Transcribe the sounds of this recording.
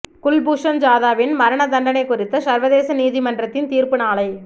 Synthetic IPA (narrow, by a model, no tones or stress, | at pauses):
kʊlbuːʂɐnd͡ʒaːðaːʋɪnmɐɾɐɳɐd̪ɐɳɖɐnɐɪkːʊrɪt̪ːɐsɐɾʋɐðeːsɐniːðimɐndrɐt̪ːɪnt̪iːrpɯnaːlɐɪ